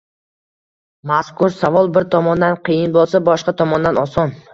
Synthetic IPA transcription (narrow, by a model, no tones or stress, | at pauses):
maskʊɾsavɒlˠbɪɾt̪ʰɒmɒnd̪anqʰɨjɪnbolˠsabɒʃqɑt̪ʰɒmɒnd̪anɒsɒn